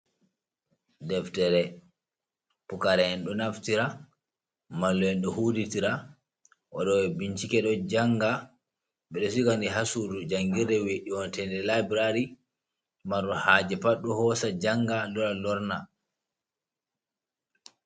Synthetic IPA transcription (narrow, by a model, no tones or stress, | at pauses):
dɛftɛɾɛ | pukaɾɛhɛnɗɔnaftiɾa | malːɔɛnɗɔhuːditiɾa | ʔa̰ɗɔwɛbiɲt͡ʃikɛɗɔd͡ʒaŋɡa | ɓɛɗɔsikandiɦasuɾud͡ʒaŋɡiɾdɛweɗiwɔntɛndɛlabɾaɾi | maɾɔhaːd͡ʒɛpaɗːɔhɔsad͡ʒaŋɡalɔɾalɔɾna